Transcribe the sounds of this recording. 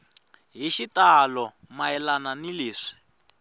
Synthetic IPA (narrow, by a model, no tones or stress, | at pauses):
ɦiʃitalɔ | maɛlananiliːʂi̥